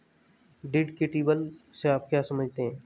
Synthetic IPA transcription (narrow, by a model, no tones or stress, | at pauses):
ɖɪɖkeʈiːbəlseaːp̚kjaːsɐməd͡ʒʱt̪eɦɛ̃ː